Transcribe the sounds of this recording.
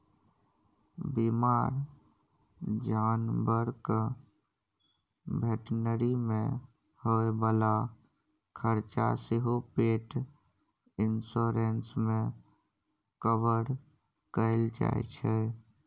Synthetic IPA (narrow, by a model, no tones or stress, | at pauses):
bimaːɾ | d͡ʒaːnbəɾk | bʱeʈnəɾimẽ | hoebaːla | kʰəɾt͡ʃa̰seɦopeːʈ | ɪnsoɾensmẽ | kəbəɾ | kəɪld͡ʒa̰ḛt͡ʃʰɛ